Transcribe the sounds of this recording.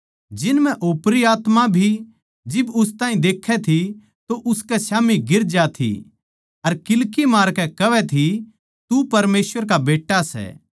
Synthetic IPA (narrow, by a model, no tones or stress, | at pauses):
d͡ʒɪnmɛ̃ʔoːpɾiaːt̪mabʱi | d͡ʒɪbʊst̪ãːĩd̪eːkʰːɛt̪ʰi | t̪oʔʊskɛsjaːmiɡɪɾd͡ʒat̪ʰḭ | ɐɾkɪlkimaːɾkɛkɐʋɛt̪ʰi | t̪upɐɾmeːsʋəɾkabeːʈːasɛ̰